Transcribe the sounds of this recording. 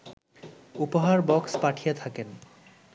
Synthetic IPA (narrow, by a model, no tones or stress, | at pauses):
upoɦaɾbɔkspaʈʰijet̪ʰaken